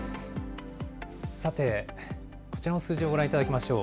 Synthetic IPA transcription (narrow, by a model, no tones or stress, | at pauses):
sat̪e̞ | kot͡ɕiɾanosɨːʑioɡo̞ɾãit̪ad̪akʲimaɕo̞ː